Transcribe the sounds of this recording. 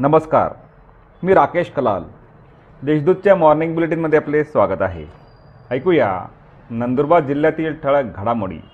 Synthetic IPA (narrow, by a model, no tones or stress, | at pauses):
nəməska̰ɾ | miːɾakeɕkəla̰l | d̪eɕd̪ud̪̚t͡ɕjamɔɾniŋɡbileʈ̬inməd̪ʱːjeaplesʋaɡət̪aɦḛ | əjkuja̰ | nənd̪uɾbad̪d͡ʑilːjat̪iːlʈ̪ʰəɭəɡʱəɽamoɽḭː